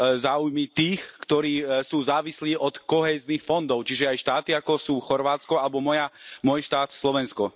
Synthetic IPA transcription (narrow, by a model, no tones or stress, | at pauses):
zaːujmit̪iːxkt̪ɔɾiːsuːzaːʋisliːʔɔt̪kɔɦɛːznixfɔnd̪ɔʊt͡ʃiʒɛajʃt̪aːt̪iakɔsuːxɔɾʋaːt͡skɔalɛbɔmɔjamʊɔjʃt̪aːt̪slɔʋɛnskɔ